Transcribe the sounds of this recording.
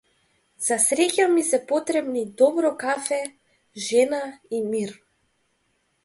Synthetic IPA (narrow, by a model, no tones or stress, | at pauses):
z̥asɾɛcamisɛpɔt̪ɾɛbnid̪ɔbɾɔkafɛ | ʒɛnaimiɾ